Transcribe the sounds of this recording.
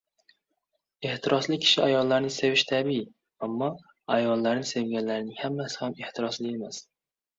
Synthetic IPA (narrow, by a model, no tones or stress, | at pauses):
eht̪ʰɪɾʔɒslˠɪkʲʰɪ̥ʃɪæjɒlˠːaɾnɪsevɪʃt̪ʰæbi | amːɒ | æjɒlˠːaɾnɪsevɡʲanlæɾɪnɪŋhamːæsɪ̥hameht̪ʰɪɾɑslˠɪemɛs